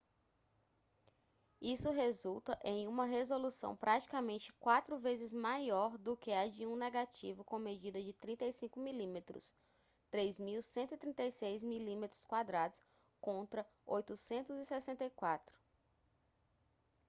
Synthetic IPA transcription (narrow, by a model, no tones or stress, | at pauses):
isʊɦezuwt̪ɐʔẽj̃ũmɐɦezolusɐ̰̃w̃pɾʔat͡ʃi̥kamẽnt͡ʃɪ̥kwat̪ɾʊvezɪzmajɔɾd̪ʊkɪad͡ʒiũneɡat͡ʃivʊkõmed͡ʒid̪ɐd͡ʒɪt̪ɾĩnt̪ejsĩŋkʊmilĩmet̪ɾʊ̰s | t̪ɾezmiwsẽnt̪ʊit̪ɾĩnt̪ejsejzmilĩmet̪ɾʊskwad̪ɾad̪ʊs | kõnt̪ɾɐ | ojt̪ʊsẽnt̪ʊzɪsɛsẽnt̪ejkwat̪ɾʊ̥